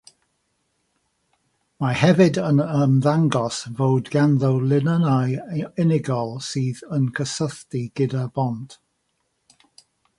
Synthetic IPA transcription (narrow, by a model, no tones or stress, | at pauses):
mahɛvɨdənəmðaŋɡɔsvowdɡanðəwlˠɪnənajɪnɪɡɔlˠsiːðənkʰəsəθtiɡ̥ɪdabɔnd̥